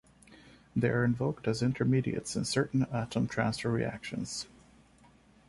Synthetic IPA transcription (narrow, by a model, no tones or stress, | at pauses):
ðeɪə˞ɨ̃ɱvoʊk̚tɨzɪ̃ntʰə˞miɾḭɨ̰tsɨ̰̃nsɜ˞ʔn̩æɾə̃mtʰɹ̥æ̰̃nsfə˞ɹḭæ̰kʃɨ̰̃nz̥